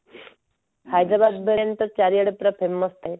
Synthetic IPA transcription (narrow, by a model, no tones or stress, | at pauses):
hajd̪ɾabad̪̚bʱəɾent̪ət͡ɕaɾijəɽəpɾəpʰemːəst̪a